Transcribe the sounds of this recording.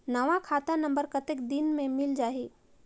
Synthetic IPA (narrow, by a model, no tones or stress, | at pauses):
nəʋãkʰaːt̪anə̃mbəɾkət̪ekd̪inmẽmɪld͡ʒaːɦi